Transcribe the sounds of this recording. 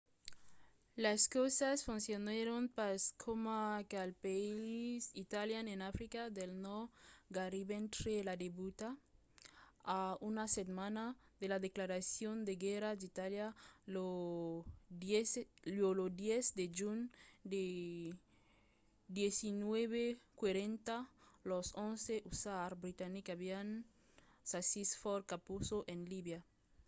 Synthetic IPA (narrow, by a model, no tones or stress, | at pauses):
laskosasfunsjoneɾonpaskʰomakalpaiisit̪aljanenafɾikaðelnoɡaɾiβent̪ɾelad̪eβut̪a | aunasetmanaðelaðeklaɾasjond̪eɡeɾad̪it̪aljao | lolod̪jesd̪ed͡ʒund̪e | d̪jesinweβekwaɾent̪alosõnseʔusaɾbɾit̪anikaβian | sasisfoɾkapusoʔenliβja